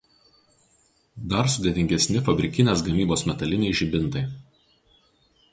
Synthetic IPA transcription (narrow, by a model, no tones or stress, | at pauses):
d̪ɐɾsʊd̪ʲɛt̪ʲɪŋʲɡʲɛsʲnʲɪfɐbʲɾʲɪkʲɪnʲeːs̬ɡɐmʲiːboːsmʲɛt̪ɐlʲɪnʲɛɪʒʲɪbʲɪnˑt̪ɐɪ